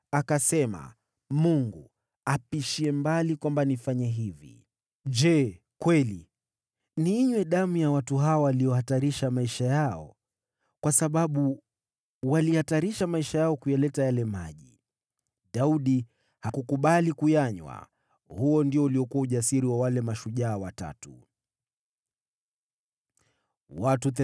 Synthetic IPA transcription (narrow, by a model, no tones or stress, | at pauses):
akasɛma̰ | muŋɡu | apiʃiɛmbalikwambanifaɲɛɦivḭ | ʄɛ | kwɛli | niɲwɛɗamujawatuɦaɔwalijɔhataɾiʃamaiʃajaɔ̰ | kwasaɓaɓu | walihataɾiʃamaiʃajaɔkujalɛtajalɛmaʄḭ | ɗauɗi | hakukuɓalikujaɲwa̰ | huɔndiɔuliɔkuauʄasiɾiwawalɛmaʃuʄaːwata̰tṵ | watuθɛ